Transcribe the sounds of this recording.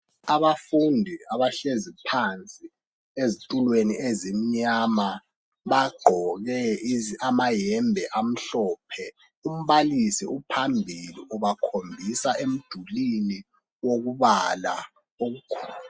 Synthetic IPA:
aβafundʱiaβaɬezipʰant͡sʼi | ezitʼulweniezim̩ɲama | βaɡ͡ǃʱɔɣɛamajɛmbʱɛʔam̩ɬɔːpʰɛ | um̩βalisɛupʰambʱiliuβakʰombʱisaem̩d̥ʱulini | woɣuβala̰ | oɣukʰɔːl

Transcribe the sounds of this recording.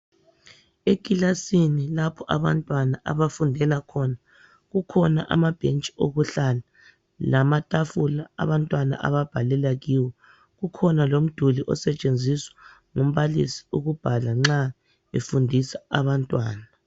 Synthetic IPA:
ekʼilasinilapʰɔʔaβa̰ntʼwanaʔa̰βafundʱɛlakʰɔna | ɣukʰɔnaʔa̰mab̥ʱent͡ʃʼi̥oɣuɬala | lamatʼafulaa̰βantʼwana̰ʔa̰βab̥ʱalɛlaɣiːwɔ | ɣukʰɔnalom̩d̥ʱuliʔɔ̰sɛt͡ʃʼend͡zʱiswḁ | ŋom̩βalisi̥uɣub̥ʱalaŋ͡ǁa | ḛfundʱisaaβantʼwaːna

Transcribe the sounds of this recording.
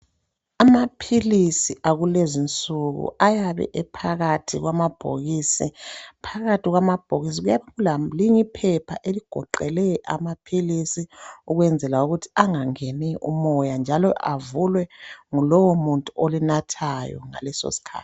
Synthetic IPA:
amapʰilisiʔaɣulezint͡sʼuɣṵajaβɛ̰ʔɛpʰaɣatʰiɣwamab̥ʱo̰ɣisipʰaɣatiɣwamab̥ʱoɣis̬iɣujaβeɣulaliŋipʰɛpʰaʔeliɡ̥ʱɔ̰ǃɛlɛʔa̰mapʰilisiuɣwɛnd͡zʱɛlauɣutʰi̥aŋaŋeniʔṵmɔjand͡ʒʱalɔʔa̰vulwɛŋulɔwomuntʼuolinatʰajɔ̰ŋa̰lɛso̰si̥kʰa̰ːt

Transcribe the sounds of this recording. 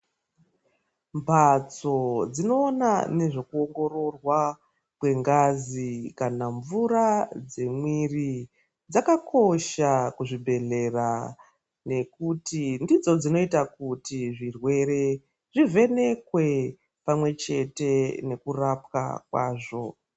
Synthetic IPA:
mbʱat͡so̞d͡zino̞ːnane̞ʐo̞kuo̞ŋɡo̞ɾo̞rwa | kwe̞ŋɡazikanaɱvurad͡ze̞mwiri | d͡zakakʰo̞ʃakuʐibʱe̞ɮe̞ra | ne̞kutindid͡zo̞d͡zino̞itakutiʐirwe̞ɾe̞ | ʐive̞ne̞kwe̞ | pamwe̞t͡ʃe̞te̞ne̞kurapka̰kwa̰ːʐo̞

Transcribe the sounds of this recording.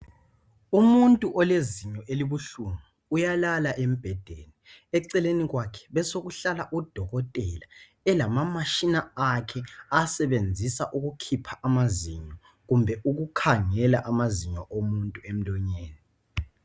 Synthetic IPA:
umuntʼuʔɔleziɲɔʔeliβuɬumuːjalalaʔem̩b̥ʱɛd̥ʱeniɛǀɛleniɣwakʰɛ̥βɛsoɣuɬalaʔud̥ʱɔɣɔtʼɛla | ɛlamamaʃinaakʰɛasɛβend͡zʱisaʔuɣukʰipʰaʔamaziɲɔ | ɣumbʱɛuɣukʰaŋɛlaʔamaziɲɔʔomuntʼuem̩lɔɲeːni

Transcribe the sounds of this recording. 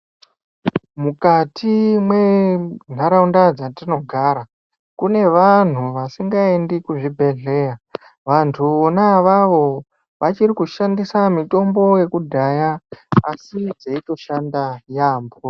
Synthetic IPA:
mukatʰimwe̞n̤aɾaundad͡zatino̞ɡʱaːɾa | kune̞ʋan̤uʋasiŋɡaendikuʐibʱe̞ɮe̞ja | ʋantʰuonaʋaʋo̞ | ʋat͡ʃirikuʃandisamito̞mbo̞je̞kudʱajaasid͡zeito̞ʃandajaːmbo

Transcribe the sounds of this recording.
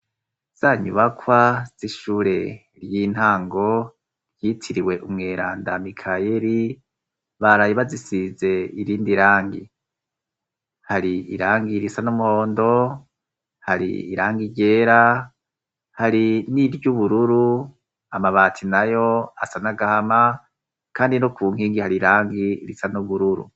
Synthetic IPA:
z̥aːɲṵβakʰwaz̥iʃuːɾe̞ | ɾjiːn̥haːŋɡo̞ | ɾjitʰiɾiwe̞ʔumŋeːɾaːndamikʰajeɾi | βaɾajiβazisize̞iɾiːndiɾaːŋɡi | haɾiḭɾaːŋɡiɾisanumuho̞ːndo̞ | haɾḭḭɾaːŋɡiɾɟe̞ːɾa | haɾiniɾjuβuɾuɾu | amaβaːtʰinajo̞asanaɡahama | kaːndinokuːŋhiːŋɡihaɾiɾaːŋɡiɾisanuβuɾuɾṵ

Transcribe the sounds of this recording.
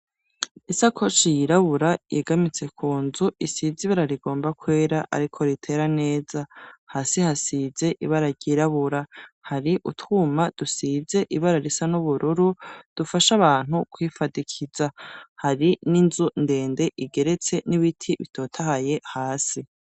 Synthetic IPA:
isakʰo̞t͡ʃijiɾaβuɾajeɡamit͡se̞kʰuːnzuisiziβaɾaɾiɡo̞ːmbakwe̞ːɾaʔa̰ɾikʰo̞ɾitʰe̞ːɾane̞ːzahaːsihasize̞ʔiβaɾaɾɟiɾaβuɾahaɾiʔutuːmad̥usize̞ʔiβaɾaɾisanuβuɾuɾud̥ufaʃaβaːn̥hukwiːfadikʰizahaɾininzunde̞ːndeʔiɡe̞ɾe̞t͡se̞niβitʰiβitʰo̞ːtʰahaje̞haːsi

